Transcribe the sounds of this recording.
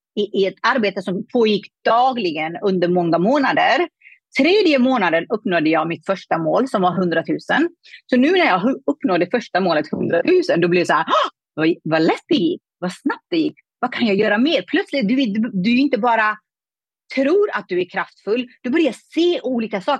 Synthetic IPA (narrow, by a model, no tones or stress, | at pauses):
ɪʔɪɛt̪aɾbeːt̪əsɔmpʰoːjɪkːd̪̥ɑːɡlɪɡənɵnd̪əɾmɔŋːamoːnad̪əɾ | t̪ʰɾeːd̪jəmoːnad̪ənɵpːnoːd̪əjɑːɡmɪt̪fœʂʈamoːlsɔmvaɾɦɵnd̪ɾat̪ʰʉ̟ːsən | sɔnʉ̟ːnæɾjɑːɦɵpːnoːd̪ɛfœʂʈamoːlət̪hɵnd̪ɾat̪ʰʉ̟ːsənd̪ɔblɛd̪ɛsɔhæːɾ | vavalɛt̪̚d̪ɛjɪkːvasnap̚t̪̚d̪ɛjɪkː | vakʰanjɑːjœːɾameːɾpʰlœt̪slɪt̪̚d̪ɵvd̪d̪ɵɪnt̪əbɑːɾa | t̪ʰɾuːɾat̪̚d̪ɵæɾkʰɾaft̪fɵlːd̪̥ɔbœɾjaseːʔuːliːkasɑːk